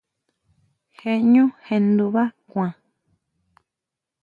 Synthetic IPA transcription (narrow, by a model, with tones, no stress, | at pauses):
he˧ɲũ˦he˧nd̪u˧βa˦kʷã˨